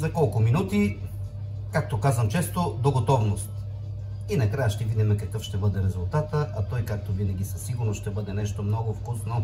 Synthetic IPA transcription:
zɐkɔlˠkʊminut̪i | kak̚t̪okazvəmt͡ʃɛst̪od̪oɡot̪ɔvnost̪ | inɐkɾajəʃt̪ɛvid̪imɛkɐkɤfʃt̪ɛbɤd̪ɛɾɛzʊlˠt̪at̪əʔɐt̪ɔjkak̚t̪ovinɐɡʲisɐsiɡʊɾnoʃt̪ɛbɤd̪ɛnɛʃt̪omnɔɡʊfkusno

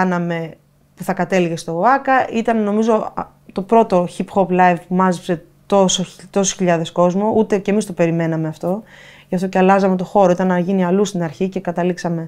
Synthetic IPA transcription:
ɐnɐme̞ | puθɐkɐt̪e̞liɣe̞st̪o̞ɐkɐʔit̪ɐnno̞mizo̞ | t̪o̞pɾo̞t̪o̞çipxoplɐjvpumɐzipse̞ | t̪osot̪o̞su̥sçiʎɐðe̞sko̞zmo̞ʔut̪e̞ce̞mist̪ope̞ɾime̞nɐme̞ɐft̪o̞ʝɐft̪o̞ceɐlɐzɐme̞t̪o̞xo̞ɾo̞it̪ɐnːɐʝiniɐlust̪inɐɾçice̞kɐt̪ɐliksɐme̞

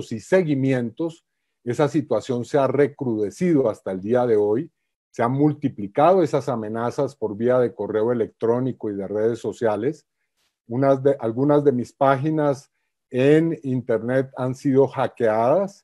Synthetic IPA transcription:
sise̞ɣimjẽ̞nt̪o̞s | e̞sasit̪wasjo̞nse̞are̞kɾuð̞e̞siðo̞ast̪aeld̪iaðe̞o̞j | se̞anmult̪iplikaðo̞e̞sasame̞nasaspo̞ɾβiaðe̞ko̞re̞oe̞le̞k̚t̪ɾo̞niko̞iðe̞re̞ð̞e̞sːo̞sjale̞s | unazeʔalɡunazd̪e̞mispaxinas | enint̪e̞ɾne̞t̪ansiðo̞xake̞aðas

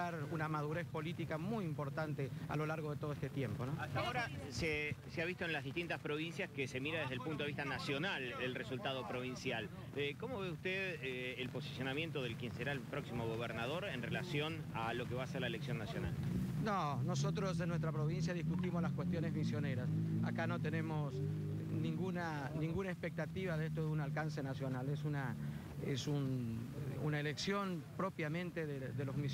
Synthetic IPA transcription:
aɾunamað̞uɾespo̞lit̪ikamujimpo̞ɾt̪ant̪ea̰lo̞laɾɣoðet̪oðest̪et̪je̞mponoaoɾaseseaβist̪oenlazðist̪int̪aspɾo̞βinsjaskese̞miɾaðeðelpunt̪oβist̪anasjo̞nalelresult̪aðo̞pɾo̞β̞insjal | eko̞mo̞βeust̪eðelpo̞si̥sjo̞namjent̪oðelkjenseɾaelpɾoksimoɣ̞oβ̞eɾnað̞o̞ɾenrelasjo̞n | alo̞keβaːseɾlaeleksjo̞nːasjo̞̰na̰lnonosot̪ɾo̞sðenːwes̬t̪ɾapɾo̞βins̬jaðiskut̪imozlaskwest̪jo̞nezmisjo̞ne̞ɾasa̰kano̞t̪enemo̞snĩŋɡunanĩŋɡunaespek̚t̪at̪iβaðest̪oðeunalkanse̞nasjo̞nalesuna | esun | unaeleksjo̞npɾo̞pjamẽ̞nt̪eðeðelozmi

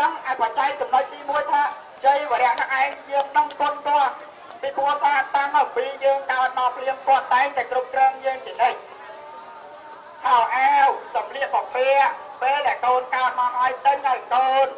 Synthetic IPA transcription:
əŋʔaːɛpat͡ɕaɛk̚t͡ɕɑmnoc̚t̪iːmuəjt̪ʰaː | t͡ɕəjʋeəɾɛ̆əʔnaʔaɛŋjəːəŋnɨŋpʊnt̪ŏət̪̚ | pipʰuət̪aːnt̪amməɓiːjəːŋkaət̪̚mɔːpʰliəŋpŏət̪̚t̪aɛŋt̪aɛkrup̚krɔːŋjəːŋt͡ɕiənəc̚ | hʰaʔaɛwsɑmriəʔɓɑpɛəʔ | peːlɗaɛkoːnkaət̪̚maɦaəjt̪ɨwnəwkoːn

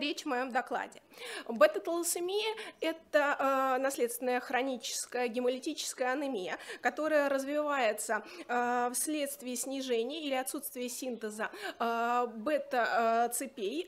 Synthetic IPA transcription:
ɾʲet͡ɕvmɐjo̞md̪ɐklˠa̰dʲɪbɛt̪ət̪əlˠsɨmʲiəɛt̪ənɐslʲe̞t̪st̪vʲɪnəjəxɾɐnʲit͡ɕɪ̥skəjəɡʲɪməlʲɪtʲit͡ɕɪ̥skəjəɐnɨmʲɪjəkɐt̪o̞ɾəjəɾəzvʲɪvajɪt̪sə | fsʲlʲe̞t̪st̪vʲɪːsʲnʲɪʐɛnʲɪjəilʲɪɐt̪sut̪st̪vʲɪjəsʲint̪əzə | bɛt̪ət̪sɨpʲej

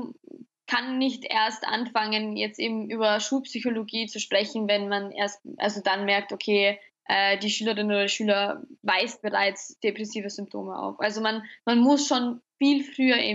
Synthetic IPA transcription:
kʰanːɪçtʔḛːɐstʔa̰nfaŋənjɛt͡stʔḛːbm̩ʔyːbɐʃuːlpsyçoloɡiːt͡suʃpʁ̥ɛçn̩vɛnmanʔḛɐstʔa̰lzodanmɛɐk̚tokʰeː | ʔɛːdiːʃyːləʁɪnoːdɐdiʃyːlɐvaɪst̚b̥əʁaɪt͡sd̥epʁ̥ɛsiːvəzʏmp̚tʰo̰ːməʔa̰ʊfʔalzomanmanmʊsʃoːnfiːlfʁ̥yːɐʔḛː

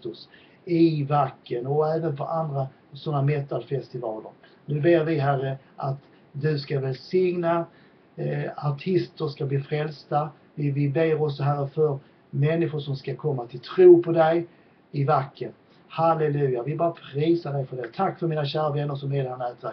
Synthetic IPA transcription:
t̪ɵs | ɪvakːənɔæːvənfəɾand̪ɾa | sɔnːamɛt̪ːalfɛst̪ɪvɑːlə̰ɾ | nʉ̟ːbeːɾvɪɦærːə | ʔat̪ | d̪ɵskavɛlsɪŋna | aʈʰɪst̪əɾʂkabliːfɾɛlst̪a | vɪvɪbeːɾɔksɔɦæɾːəfœɾ | mɛnːɪɧʊʂɔmskakʰɔmːat̪ʰɪlt̪ʰɾuːpʰɔd̪ɛj | ɪvakːən | halɛlʉ̟ːjavɪbɑːɾapʰɾiːsaɖɛjfœɖɛt̪ʰakːfœɾmiːnaɕæːɾavɛnːəɾʂɔmeːlhɛnæːt̪væɾ

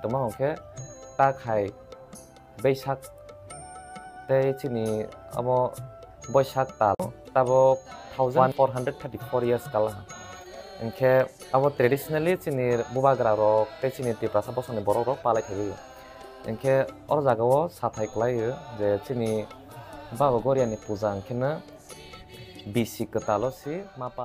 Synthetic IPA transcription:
tɔmaɔŋkʰetakʰaj | bejsak̚ | tejt͡ʃinia̰bɔ | bɔjsak̚taltabɔtʰawzanpʰɔɾɦandɾɛd̚tʰɛp̚tipʰɔɾijaɾskalaɦa | ḭŋkʰe | aβɔtɾedisɔnalit͡ʃiniɾbubaɡɾaɾɔk̚tejt͡ʃinitipɾasabɔsɔnibɔɾɔɾɔk̚palajtʰabɯjɯ | ɯ̰ŋkʰeɔɾɔzaɡawɔsatʰajklajɯzet͡ʃini | babaɡɔɾijanipuzaɯŋkʰenɯ | bisikɯtalɔsimapa

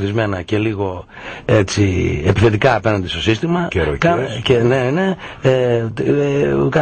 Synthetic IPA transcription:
θizme̞nɐce̞liɣo̞ | et͡sie̞piθe̞t̪ikɐːpe̞nɐnd̪est̪o̞sist̪imɐkeɾo̰kɐenenee | kɐ

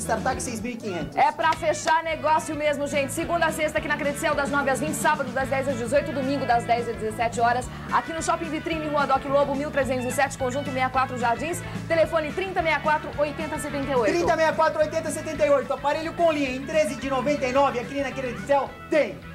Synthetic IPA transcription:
st̪aɾt̪akɪsejzmiwikĩɲẽnt̪ʊ̥ɛpɾɐfeʃaɾneɡɔsjʊmezmʊʒẽnt͡ʃɪ̥sɪɡũnd̪ɐsest̪ɐakinɐkɾed͡ʒɪsɛwd̪ɐznɔvɪɐzvĩnt͡ʃɪ̥sabɐd̪ʊzd̪ɐzd̪ɛjzɐzd͡ʒɪzojt̪ʊd̪ʊmĩŋɡʊd̪ɐzd̪ɛjzɐd͡ʒ̪ɪzesɛt͡ʃɪɔɾɐs | a̰kinʊʃɔpĩvit̪ɾĩnɪ̃huɐd̪ɔkɪlobʊmiwt̪ɾezẽnt̪ʊzɪsɛt͡ʃɪ̥kõʒũnt̪ʊmejɐkwat̪ɾʊʒaɾd͡ʒĩst̪elefõnɪt̪ɾĩnt̪ɐmejɐkwat̪ɾʊʔojt̪ẽnt̪ɐset̪ẽnt̪ejojt̪ɾĩʊt̪ɐmejɐkwat̪ɾʊojt̪ẽnt̪ɐset̪ẽnt̪ejojt̪ʊapaɾeʎʊkõlĩɐẽt̪ɾezɪd͡ʒɪnovẽnt̪ɐjnɔvɪakiinɐkɾed͡ʒisɛw | t̪ẽj̃

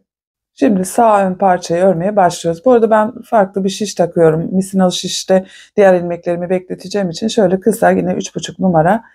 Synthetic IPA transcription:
ʃimd̪isaːønpʰaɾt͡ʃʰajaø̞ɾmejɛbaʃlˠɯjo̞ɾuzbuoɾad̪abænfaɾklˠɯbiʃiʃt̪ʰakʰɯjo̞ɾumːisinalˠɯʃiʃt̪ɛd̪̥ijæɾinʲmɛclʲe̞ɾimibɛclʲe̞t̪ʰid͡ʒɛːmit͡ʃʰinʃø̞jlʲɛkʰɯsaɟinɛʔyt͡ʃbut͡ʃʰuknumaɾa

